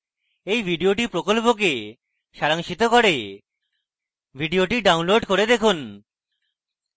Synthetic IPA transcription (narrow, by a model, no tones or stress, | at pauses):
ejbʱiɖioʈipɾokolp̬ok̬e | ʃaɾaŋʃit̪okɔɽe | bʱiɖioʈiɖaunloɖkoɾed̪ekʰun